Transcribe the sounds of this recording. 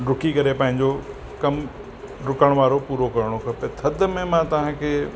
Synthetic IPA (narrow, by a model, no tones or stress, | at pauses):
ɖʊkikɐɾepɐ̃ɦɪ̃ɲd͡ʑo | kɐm | ɾʊkəɽ̃ʋaːɾopuːɾokɐɾɽ̃okʰɐpet̪ʰɐd̪̆ʱmẽmãt̪ɐʋ̤ãkʰeː